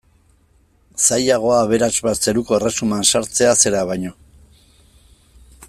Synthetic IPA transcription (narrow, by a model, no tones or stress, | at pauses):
sajaɣ̞o̞aːβe̞ɾazβat͡se̞ɾuko̞ere̞sumansaɾt͡se̞ase̞ɾaβ̞ajɲo̞